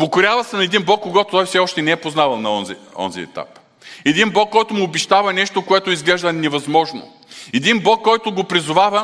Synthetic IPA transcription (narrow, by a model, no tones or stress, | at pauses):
pokʊɾʲavɐsɛnɐɛd̪inblˠɔkːoɡɔt̪ot̪ɔjfsɛɔʃt̪ɛnɛɛpoznavɐlˠnɐɔnziɔ̰nzḭɛ̰t̪a̰p | ɛd̪inblˠɔkːɔjt̪ʊmʊːbɛʃt̪avɐnɛʃt̪okoɛt̪ʊizɡlɛʒd̪ɐnɛvɐzmɔʒno̰ | ɛd̪inblˠɔkːɔjt̪ʊɡopɾizʊvavɐ